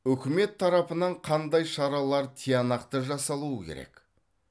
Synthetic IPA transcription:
ɵkʲɪme̞t̪ʰːɑɾɑpənɑɴqʰɑnd̪ɑjʃɑɾɑlˠɑɾt̪ʰijɑnɑqt̪əʒɑsɑlˠuəkʲʰḛɾḛk

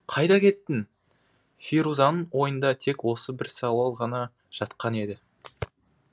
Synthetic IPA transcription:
qʰɑjd̪ɑkʲʰe̞t̪ːɪn | χʲiɾuzɑnəɴwo̞jənd̪ɑt̪ʰe̞kwo̞səbɪɾsɑwɑlˠʁɑnɑ | ʒ̥ɑt̪qɑne̞d̪ɪ

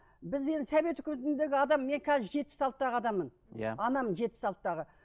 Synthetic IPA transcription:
bɪze̞nsæbe̞t̪ʏkʲmet̪ɪnd̪e̞ɡʲɪɑd̪ɑmːe̞ŋkʲʰɑzʒe̞t̪̚pɪ̥sɑlˠt̪ət̪ːɑʁəɑd̪ɑmːən | ja̰ɑnɑmənʒe̞t̪̚pɪ̥sɑlˠt̪ət̪ːɑʁə

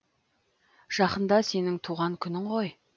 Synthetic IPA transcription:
ʒ̥ɑqənd̪ɑse̞nɪŋt̪ʰuʁɑŋkʲʰʏnɪɴʁoj

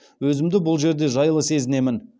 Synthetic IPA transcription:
wɵzɪmd̪ɪbʊlˠʒe̞ɾd̪e̞ʒɑjəlˠəse̞zɪne̞mɪn

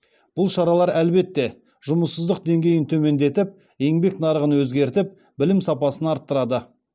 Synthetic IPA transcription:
b̥ʊlˠʃɑɾɑlˠɑɾælbe̞t̪ːe̞ | ʒʊməsːəzd̪əq̚d̪e̞ŋɡʲe̞jɪnt̪ʰɵme̞nd̪e̞t̪ɪp̚ | je̞ŋbe̞knɑɾəʁənwɵzɡʲe̞ɾt̪ɪp̚ | bɪlɪmsɑpɑsənɑɾt̪ːəɾɑd̪ə

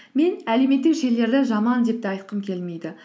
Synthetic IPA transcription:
me̞næle̞me̞t̪ːɪkʒe̞lːe̞ɾd̪eʒɑmɑnd̪e̞p̚t̪ɪɑjt̪̚qəmkʲʰe̞lme̞jd̪ɪ

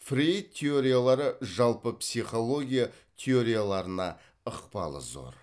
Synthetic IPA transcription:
frijt̪ʲʰːeo̞ɾʲijalˠɑɾəʒɑlˠpəpsijχo̞lˠo̞ɡʲija | t̪ʲʰeo̞ɾʲijalˠɑɾənɑ | əqpɑ̰lˠə̰zo̞̰ɾ

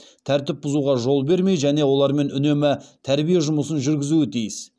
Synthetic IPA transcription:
t̪ʰæɾt̪ɪp̚bʊzuʁɑʒo̞lˠbe̞ɾme̞jʒæne̞wo̞lˠɑɾme̞nʏne̞mɪt̪ʰæɾbijeʒʊməsənʒʏɾɡʲɪzuɪt̪ʰijɪs

